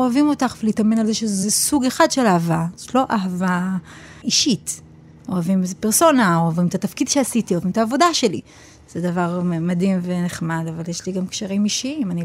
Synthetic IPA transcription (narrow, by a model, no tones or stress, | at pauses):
oavimo̞taχvelitame̞nalzeʃezesuɡe̞χadʃe̞lahavazotlo̞ʔaɦava | iʃit | oavimezepeʁso̞naoavimt̪at̪afkid̪ʃeasitioavimt̪aːvo̞daʃe̞li | z̥ed̪avaʁmadimveneχmadavaljeʃliɡamkʃaʁimiʃiimani